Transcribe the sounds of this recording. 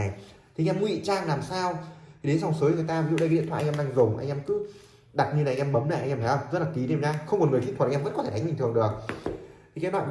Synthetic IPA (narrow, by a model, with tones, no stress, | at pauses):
jt̪ʰi˨˧ŋʔɛ˧m˧˦wḭ˧˨t͡ɕaː˧ŋlaː˨˩msaː˧wʰi˨˩ɗe˨˦nsa˨˩wŋ͡msəː˨˦jt̪əː˨˩jt̪aː˧vzṵ˧˨ɗə˧˨˦ḭ˧˨t̪ʰaː˧˨˧ɗaː˧ŋzʊ˨˩ŋ͡mʔa˧ŋʔɛ˧mkɨ˨˦ | ɗa˨˩t̚ɲɨ˧aː˨˩ʔŋʔɛ˧mɓə˨˦mla̰˧˩ʔa˧ŋʔɛ˧na˨˦ʔə˧˩wzə˦˥t̚la˨˩ki˨˦ɗɲaː˧xə˧wŋ͡mo˨˩ŋɨ˨˩ək̪ʰt̪̚ʰːə̰˧˥nkɔ˨˦tʰe˧˩ɗa˨˦ŋɓï̟˨˩t̪ɨ˨˩əŋɗɨ˨˩ək̚t̪ʰi˨˩ka˨˦lwa̰ː˧˨